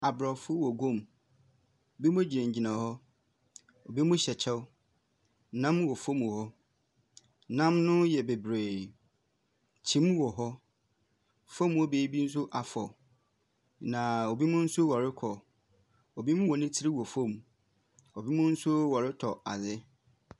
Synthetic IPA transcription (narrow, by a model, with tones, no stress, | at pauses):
a˨bɾɔ˨fʊ˦wɔ˨ɡõ˦˨m | o˨bi˦mʊ̃˦e˦d͡ʑi˨nã˨ɲ˨d͡ʑi˨nã˨hɔ˦ | o˨bi˦mʊ̃˦ɕɛ˨t͡ɕʰɛ˦w | nã˦m˦wɔ˨fõ˦m˨ɔ˨hɔ˦ | nã˦mnʊ̃˦jɛ˨be˨bɾeː˨ | t͡ɕʰĩ˦m˦wɔ˨ɦɔ˦ | fɔ̃˦m˨˦ɔ˦beː˨˦bi˦n̩˦s̬ʊ˦ʔa˨fɔ˨ | nã˨o˨bi˦mʊ̃˦n̩˦sʊ˦wa˨ɾɪ˦kʰɔ˨ | o˨bi˦mʊ̃˦wɔ˨nɪ̃˦tʰɪ˦ɾi˦wɔ˨fõ˦˨m | o˨bi˦mʊ̃˦n̩˦sʊ˦wa˨ɾɪ˦tʰɔ˨a̰˨zɪ˦